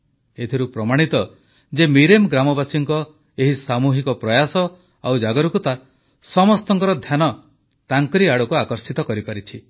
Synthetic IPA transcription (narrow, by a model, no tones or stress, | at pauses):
et̪ʰiɾupɾɔmaɽ̃it̪ɔ | d͡ʒemiɾemɡɾamɔbasiŋkɔ | eɦisamuɦikɔpɾɔjasɔ | awd͡ʒaɡɔɾukut̪a | sɔmɔst̪ɔŋkɔɾɔd̪ʱjanɔ | t̪aŋkɔɾiaɽɔkuakɔɾsit̪ɔkɔɾipaɾit͡ʃʰi